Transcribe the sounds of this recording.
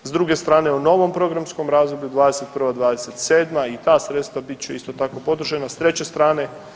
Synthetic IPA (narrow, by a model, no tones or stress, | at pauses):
zd̪ɾuɡe̞st̪ɾaːne̞uno̞ʋo̞mpɾo̞ɡɾamsko̞mɾaːzd̪obʎud̪ʋaːd̪e̞se̞t̪̚pr̩ʋad̪ʋaːd̪eset̪se̞ːd̪mait̪aːsɾet̪st̪ʋabit̪t͡ɕeist̪o̞t̪ako̞po̞d̪ɾ̩ʒenast̪ɾe̞t͡ɕe̞st̪ɾaːne̞